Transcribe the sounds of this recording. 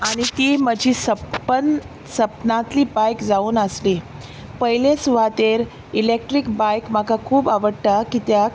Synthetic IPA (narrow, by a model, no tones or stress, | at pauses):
aɽ̃it̪iːməd͡ʑʱiːsəppən | səpnat̪liːbajkd͡zauːnəsli | pəɦilesuʋat̪eɾ | ilek̚ʈɾikbajkm̤akakʰuːbaʋəɽʈakit̪ja